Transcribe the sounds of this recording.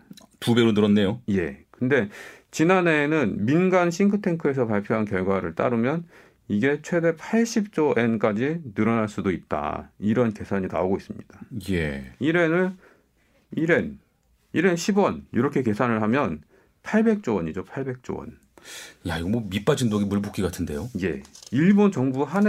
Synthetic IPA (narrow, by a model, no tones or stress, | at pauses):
tubjʌɾonɯɾʌnːe̞joje̞kɯnde̞t͡ɕinane̞nɯnminɡanɕʰiŋɡʰɯtʰe̞ŋkʰɯe̞s̬ʰʌpaɭpʰjoɦankjʌɭɡwaɾɯɭt͈a̰ɾɯmjʌn | iɡe̞t͡ɕʰwe̞de̞pʰaɭɕ͈ʰip̚t͡ɕ͈oʔe̞nk͈ad͡ʑinɯɾʌnaɭs͈udoip̚t͈a̰iɾʌnke̞sʰaɲina̰oɡois͈ɯmɲḭd̥ajeiɾe̞nɯɭ | iɾe̞n | iɾenɕʰibwʌnḭɾʌkʰe̞ke̞sʰanɯɭɦamjʌn | pʰaɭbe̞k̚t͡ɕ͈owʌɲid͡ʑopʰaɭbe̞k̚t͡ɕ͈o̰wʌ̰n | jaiɡʌmwomip͈ad͡ʑindoɡimuɭbok͈iɡatʰɯnde̞joje̞̰iɭbont͡ɕʌŋbuɦan